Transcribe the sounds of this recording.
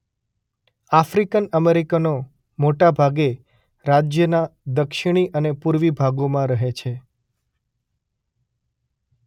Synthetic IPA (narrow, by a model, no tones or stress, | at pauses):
afɾikənəmeɾikano | moʈabʱaɡe | ɾad͡ʒjənad̪əkʃiɽ̃iʔənepuɾʋibʱaɡomãɾəɦet͡ʃʰe